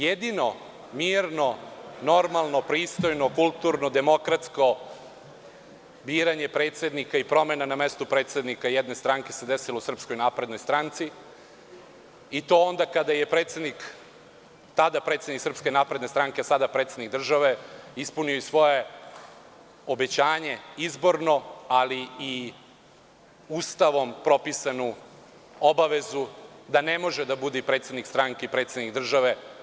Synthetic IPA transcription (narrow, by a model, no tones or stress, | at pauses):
jed̪ino̞ | miːɾnono̞ɾmalˠnopɾiːst̪o̞jno̞kulˠt̪uɾnod̪emo̞kɾat̪sko̞ | biːɾaɲepɾe̞ːt̪sʲe̞d̪nikaipɾo̞menanamest̪upɾeːt̪sʲed̪nikajɛd̪ne̞st̪ɾaŋke̞sed̪esilousr̩psko̞jnaːpɾed̪no̞jst̪ɾant̪si | it̪o̞ond̪akad̪ajepɾe̞ːt̪se̞d̪nik | t̪ad̪apɾet̪seniksr̩pske̞naːpɾed̪nest̪ɾaŋkesad̪apɾet̪sed̪nik̚d̪r̩ʒaʋe̞ispunioisʋo̞je̞ | obe̞t͡ɕaːɲe̞izbo̞ɾno̞alii | uːst̪aʋo̞mpɾo̞pisanu | o̞baʋe̞zud̪ane̞mo̞ʒed̪abud̪ɛpɾet̪se̞d̪nikst̪ɾaŋkeipɾe̞ːt̪se̞d̪nikd̪r̩ʒaʋe